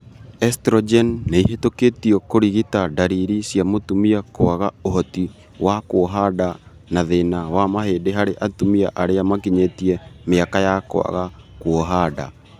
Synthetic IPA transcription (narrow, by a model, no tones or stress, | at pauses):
ɛstɾɔd͡ʒɛnːeiɦetoketiɔkoɾiɣitadaɾiɾisiamotumiakoaɣaoɦɔti | wakwɔɦada | naðenawamaɦeːdeɦaɾeʔatumia̰ʔaɾeamakiɲetiɛmeakajako̰a̰ɣakwɔɦada̰